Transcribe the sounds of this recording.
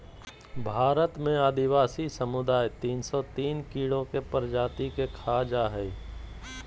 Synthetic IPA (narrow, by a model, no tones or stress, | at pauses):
bʱaːɾət̪mẽaːd̪ɪwaːsisəmʊd̪aːjt̪iːnsɔt̪iːnkiːɽokepəɾd͡ʒaːt̪ikekʰaːd͡ʒaɦɛː